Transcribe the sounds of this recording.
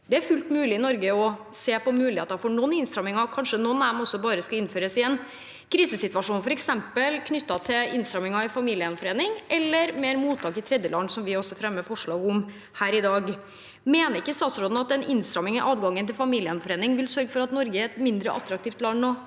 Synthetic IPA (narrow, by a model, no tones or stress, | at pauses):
d̪ɛæɾfʉlt̪mʉːlɪɪnɔɾɡəɔ | seːpɔmʉːlɪeɑt̪æɾfoːɳɔnːɪnst̪ɾɑmɪŋɑkʰɑnʂənɔnːæmɔsːɔbɑːɾəskɑɪnføːɾəsɪɛn | kʰɾiːsəsɪt̪ʋɑʂuːnfɔɾɛksɛmpəlkʰnʏt̪ːɑt̪ʰɪlɪnst̪ɾɑmɪŋɑɪfɑmiːlɪənfɔɾeːnɪŋʔɛlːəɾmeːɾmuːt̪ʰːɑːkɪt̪ʰɾɛd̪jəlɑnːsɔmʋɪɔsːɔfɾɛmːəfɔʂɭɑːɡʊm | hæːɾɪd̪ɑːɡ | meːnəɾɪkːəst̪ɑːt̪sɾoːd̪n̩ɑt̪ɛnʔɪnst̪ɾɑmɪŋɪʔɑːd̪ɡɑŋːənt̪ɪlfɑmiːlɪənfɔɾeːnɪŋʋɪlsœɾɡəfɔɾɑt̪nɔɾɡəɛt̪mɪnd̪ɾə̰ʔɑ̰t̪ːɾɑk̚t̪ʰiːft̪lɑnnoː